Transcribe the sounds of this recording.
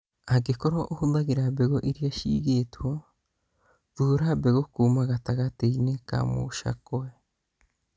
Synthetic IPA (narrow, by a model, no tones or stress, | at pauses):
aɡekoɾoʔohudaɣeɾabeɣoʔiɾiaʃḭɣeto | ðuɾabeɣokuːmaɣataɣateineka̰mo̰ʃa̰koe